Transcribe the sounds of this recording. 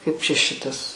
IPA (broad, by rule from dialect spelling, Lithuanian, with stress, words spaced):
kɐɪp t͡ʃʲɛ ˈʃʲɪtɐs